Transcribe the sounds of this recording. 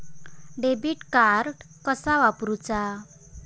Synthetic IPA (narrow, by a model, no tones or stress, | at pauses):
ɖebiʈkaɾʈ | kəsaʋapɾut͡sa